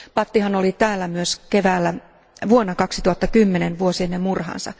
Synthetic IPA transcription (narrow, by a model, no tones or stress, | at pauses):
pɑt̪ːihɑnolit̪æːlːæmyøskeʋæːlːæ | ʋuonːɑkɑksit̪uhɑt̪ːɑkymːenenʋuosienːemmurhɑ̰nsɑ̰